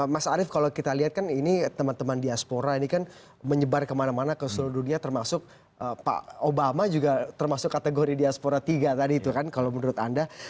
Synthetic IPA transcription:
masaɾɪfkalowkit̪aliɦat̪̚kaninit̪əmant̪əmandiaspoɾainikan | məɲəbarkəmanamanakəsuluduniat̪ərmasʊk̚ | əpa̰obamad͡ʒuɡat̪ərmasʊkːat̪əɡoɾidiaspoɾat̪iɡat̪adiːt̪ukankalowmənuɾʊt̪anda

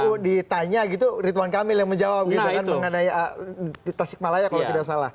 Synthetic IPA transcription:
odit̪aɲaɡit̪urit̪uwankamɪljaŋməɲd͡ʒawap̚ɡit̪ukanməŋənaiəit̪asɪk̚malajakalat̪idaksala̰h

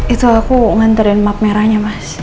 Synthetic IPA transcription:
it̪uakuŋant̪aɾɪnmap̚mɛɾaɲamas

